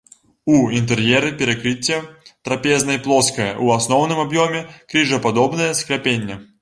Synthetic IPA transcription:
uint̪ɛrjɛɾɨpʲɛɾɐkɾɨt͡sʲːɐt̪ɾɐpʲɛznɐiplˠɔskɐjɐ̰ʔuasnɔwnɨmabjɔmʲɛkɾʲɨiʐɐpad̪ɔbnɐjɐsklʲapʲenʲːɐ

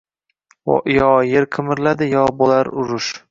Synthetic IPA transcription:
ʔjɒjeɾqʰɨmɪɾlad̪ɪjɒbolaɾʊɾʊʃ

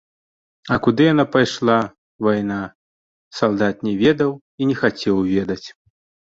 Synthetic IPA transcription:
ɐkud̪ɨjanapajʂlˠa | vajna | salˠd̪at̪̚nʲɛvʲɛd̪ɐw | inʲɛxat͡sʲɛwvʲɛd̪ɐt͡sʲ

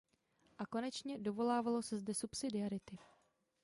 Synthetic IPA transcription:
ʔako̞nɛt͡ʃɲɛdo̞vo̞laːvalo̞sɛzdɛsupsɪdɪaɾɪt̪ɪ

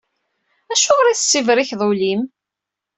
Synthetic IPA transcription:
æʃʊʁɾˤiθəsːivɾiçðˤulim

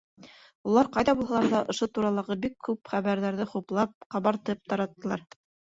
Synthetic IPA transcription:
ulˠɑɾqɑjðɑbulˠhɑlˠɑɾðɑʔŏʃot̪uɾɑlˠɑʁɤbikʰːʉpχæβæɾðæɾðɘχuplˠɑp̚qɑβɑɾt̪ɤp̚t̪ɑɾɑt̪ːɤ̆lˠɑɾ

